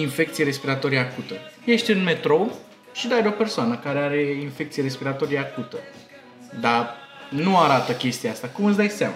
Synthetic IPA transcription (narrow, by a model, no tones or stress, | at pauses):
infe̞k̚t̪sijeɾe̞spiɾat̪o̞ɾijeakut̪əje̞ʃt̪ʲɨnme̞t̪ɾo̞ | ʃid̪ajd̪o̞pe̞rsoanəkaɾe̞aɾe̞infe̞kt̪sijeɾe̞spiɾat̪o̞ɾijakut̪ə | d̪a | nuaɾat̪əkʲe̞st̪iaast̪akumɨt̪sd̪ajsama